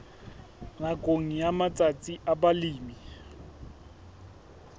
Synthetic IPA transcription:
nakʼoŋ̩jamat͡sʼat͡sʼiʔabaliːmi

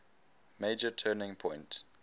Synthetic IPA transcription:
meɪd͡ʒətʰɜːnɪ̃ŋpʰɔ̃ɪ̃nt

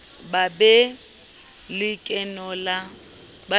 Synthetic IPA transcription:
babɛ | lɪkʼɛnɔla | ba

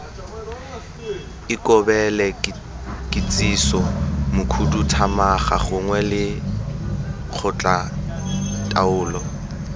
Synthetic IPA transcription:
ɪkɔbɛlɛ | kʼɪt͡sʼisɔmʊkʰututʰamaχa̰χʊŋwɛlɪ | k͡xʰʊt͡ɬʼa | tʼaʊːlɔ

